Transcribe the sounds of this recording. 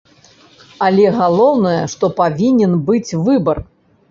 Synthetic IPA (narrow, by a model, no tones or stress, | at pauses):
ɐlʲɛɣalˠɔwnɐjɐʂt̪ɔpavʲinʲɛnbɨt͡sʲvɨbɐr